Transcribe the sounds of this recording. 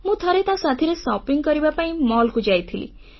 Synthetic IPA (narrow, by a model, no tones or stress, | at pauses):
mũt̪ʰɔɾet̪ãsat̪ʰiɾesɔpiŋkɔɾibapaĩmɔlkud͡ʒajt̪ʰilḭ